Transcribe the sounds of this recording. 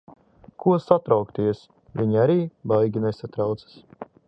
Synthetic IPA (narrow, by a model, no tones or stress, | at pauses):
kʰuɔsat̪ɾawkt̪iɛs | vʲiɲiaɾiːbajɡʲinesat̪ɾawt̪sḁs